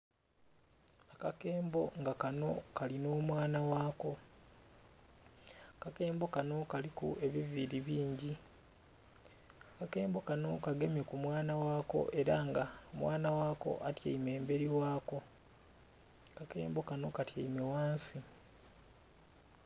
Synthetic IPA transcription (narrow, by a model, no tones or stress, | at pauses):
akake̞ːmbo̞ŋɡakano̞kalino̞ːmwaːnawaːko̞ | kake̞ːmbo̞kano̞kalikṵe̞βiviɾiβiːɲɟi | akake̞ːmbo̞kano̞kaɡe̞mje̞kumwaːnawaːko̞̰ʔe̞ɾaŋɡaomwaːnawaːko̞̰ʔatja̰ime̞ːmbe̞ɾiwaːko̞ | kake̞̰ːmbo̞kano̞katjaime̞waːnsi